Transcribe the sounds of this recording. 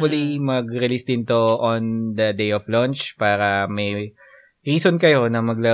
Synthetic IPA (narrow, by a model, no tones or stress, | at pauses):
ɐlimɐɡɾɪlisd̪ɪnt̪o̞ʔond̪ɐd̪ejɔflɔ̃nt͡ʃpaːɾɐmɐj | ɾiːsonkɐjo̞nɐmɐɡlɐ